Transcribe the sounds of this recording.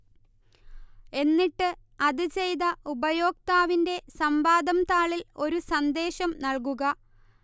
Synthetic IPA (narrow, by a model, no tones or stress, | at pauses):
e̞nːiʈːɨ | ɐðɨt͡ɕe̞jd̪ɐubɐjo̞ːk̚t̪aːʋinde̞sɐmbaːd̪ɐmt̪aːɭilo̞ɾusɐnd̪e̞ːɕɐmnɐɭkuɣɐ